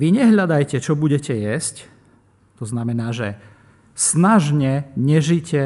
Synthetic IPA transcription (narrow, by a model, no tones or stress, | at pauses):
ʋiɲɛɦʎad̪ajcɛt͡ʃɔbuɟɛcɛjɛsc | t̪ɔznamɛnaːʒɛ | snaʒɲɛɲɛʒicɛ